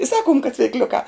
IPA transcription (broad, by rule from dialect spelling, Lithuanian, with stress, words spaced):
ɪ ˈsɑːkʊm kɐt t͡sʲʋʲɪkˈlʲʊkɑː